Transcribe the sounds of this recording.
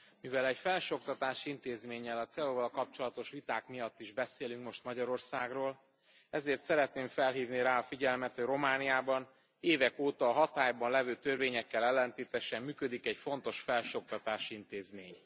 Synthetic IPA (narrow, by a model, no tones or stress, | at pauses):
mivɛlɛcfɛlʃo̞k̚t̪ɒt̪aːʃint̪eːzmeːɲːɛlɒt̪sɛoːvɒlkɒp̚t͡ʃo̞lɒt̪o̞ʃʋit̪aːkmijɒt̪ːiʒbɛseːlyŋkmo̞ʃt̪mɒɟɒɾo̞rsaːɡroːl | ɛzeːrt̪sɛɾɛt̪neːɱfɛlɦiːvniɾaːɒfiɟɛlmɛt̪ho̞ɟro̞maːnijaːbɒn | eːvɛkoːt̪ɒːɦɒt̪aːjbɒnlɛvøːt̪ørveːɲɛkːɛlɛlːɛnt̪eːt̪ɛʃɛmːyːkød̪ikɛɟfo̞nt̪o̞ʃfɛlʃo̞k̚t̪ɒt̪aːʃint̪eːzmeːɲ